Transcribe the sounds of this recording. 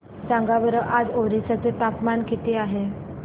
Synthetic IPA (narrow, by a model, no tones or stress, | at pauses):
d͡zãŋɡabəɾəʔad͡zoɾisat͡set̪apmankit̪iaɦe